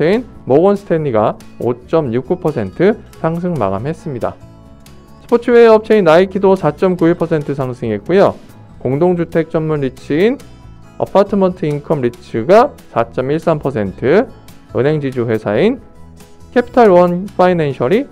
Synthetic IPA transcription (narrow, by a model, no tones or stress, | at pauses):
einmoɡʌnsʰɯ̥tʰe̞niɡao̰t͡ɕ͈ʌmɲuk̚k͈upʰʌsʰe̞ntʰɯsʰaŋs̬ʰɯŋma̰ɡamɦe̞s͈ɯmɲida̰ | sʰɯ̥pʰot͡ɕʰiweʌp̚t͡ɕʰeinaikʰidosʰat͡ɕ͈ʌmkuiɭpʰʌsʰe̞ntʰɯsʰaŋsʰɯŋiɦet̚k͈ujo | koŋdoŋd͡ʑutʰe̞k̚t͡ɕ͈ʌnmunɾit͡ɕʰɯin | ʌ̰pʰatʰɯmʌntʰɯinkʰʌmɾit͡ɕʰɯɡasʰat͡ɕ͈ʌmiɭs͈ampʰʌsʰe̞ntʰɯ | ɯ̰nɦe̞ŋd͡ʑid͡ʑuɸwe̞sʰain | kʰe̞pʰi̥tʰaɭwʌnpʰainenɕʰʌɾi